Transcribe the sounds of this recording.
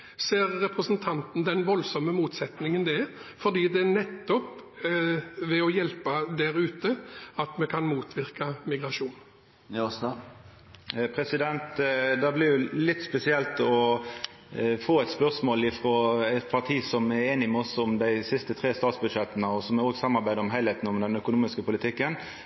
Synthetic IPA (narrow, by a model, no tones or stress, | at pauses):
seːɾːɛpɾəsənt̪ʰɑnt̪n̩d̪ɛnʋɔlsɔməmuːt̪sɛt̪nɪŋənd̪ɛfɔd̪iːd̪ɛːnɛt̪ːɔp | ʋɛɔjɛlpəd̪æɾʉːt̪əɑt̪mɛkʰɑnmuːt̪ʰʋɪɾkɑmɪɡɾɑʂuːn | pʰɾɛsɪd̪ɛnt̪d̪ɛblɪɾjʊlɪt̪ːspɛsɪɛlt̪ɔ | foːɛt̪spœʁsmoːlɪfɾoːæt̪pʰɑt̪ʰiːsɔmɛɾeːnɪmɛɔsɔmd̪æɪsɪst̪ət̪ʰʁeːst̪ɑːt̪sbʉd̪ʂɛt̪ːənəɔsɔmɛoːɡsɑmːɑɾbæɪd̪əɾɔmɦæɪlheːt̪n̩ɔmd̪ɛnœkʊnuːmɪskəpʊlɪt̪ʰɪkːən